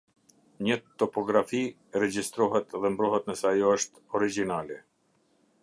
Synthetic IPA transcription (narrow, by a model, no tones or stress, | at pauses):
ɲət̪ɔpɔɡɾafi | ɾɛd͡ʒist̪ɾɔɦɛt̪ðɛmbɾɔɦɛt̪nəsɛjɔəʃt̪ɔɾid͡ʒinalɛ